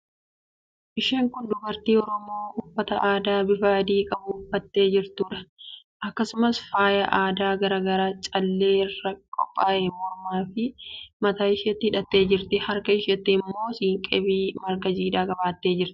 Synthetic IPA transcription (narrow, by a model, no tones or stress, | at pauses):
ʔɪʃeːŋkʊnd̪ʊbɐɾt̪iːɔɾɔmoːhʊfːɐt̪ɐʔaːd̪aːbɪfaːd̪iːkʼɐbʊfɐt̪ːe̞ːd͡ʒɪɾt̪uːᶑɐ | ʔɐkːɐsʊmɐsfaːjɐʔaːd̪aːɡɐɾaːɡɐɾaːt͡ʃʼɐlːe̞ːɪrːɐkʼɔ̰pʼːaːʔɛmɔɾmaːfɪmɐt̪aːɪʃɛt̪ːɪhɪᶑɐt̪ːe̞ːd͡ʒɪɾt̪ɪhɐɾkɐɪʃɐt̪ːɪɪmːo̞ːsiːŋkʼɛbiːmɐɾkɐd͡ʒiːᶑaːkʼɐbaːt̪ːe̞ːd͡ʒɪɾt̪ɪ̥